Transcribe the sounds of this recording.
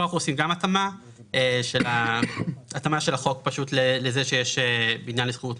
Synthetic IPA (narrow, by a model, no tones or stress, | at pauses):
oaχuosimɡamatama | eʃela | atamaʃe̞laχo̞kpaʃutlelezeʃejeʃebinjanlisχeut